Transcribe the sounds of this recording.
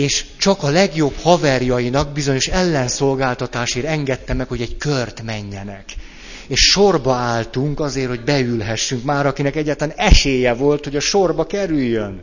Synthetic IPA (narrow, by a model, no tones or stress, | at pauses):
eːʃt͡ʃɒkɒlɛɡjo̞bhɒvɛrjɒjinɒɡ̚bizo̞ɲo̞ʃɛlːɛnso̞lɡaːlt̪ɒt̪aːʃeɾɛŋɡɛt̪ːɛmːɛkho̞ɟɛɟkørt̪mɛɲːɛnɛk | eːʃʃo̞rbɒaːlt̪uŋkɒzeːrho̞ɟbɛylɦɛʃːyŋkmaːɾɒkinɛkɛɟːaːt̪laːnɛʃeːjɛvo̞lt̪ho̞ɟɒʃo̞rbɒkɛɾyjːøn